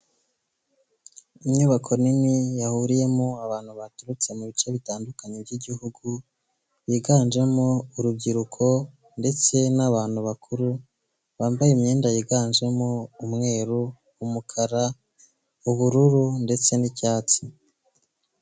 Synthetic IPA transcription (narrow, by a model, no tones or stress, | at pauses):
imɲuβakʰo̞ninijahuɾije̞moaβaːnhuβatuɾut͡se̞muβit͡ʃe̞βitaːndukaɲebɟiɟihuɡu | βiɡaːnd͡ʒe̞mouɾub̚ɟiɾukʰo̞ | nde̞t͡se̞naβaːn̥huβakʰuɾu | βaːmbajemɲeːndajiɡaːnʒe̞moumŋe̞ːɾu | umukʰaɾa | uβuɾuɾunde̞t͡se̞nicaːt͡si